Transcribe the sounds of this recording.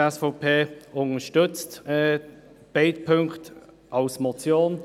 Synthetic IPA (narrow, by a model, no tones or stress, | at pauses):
ɛsfɔʊpʰeːʊntəʃtʏt͡stɛ | b̥eɪt̚pʰøŋkt | ʔɑʊsmɔt͡sjoːn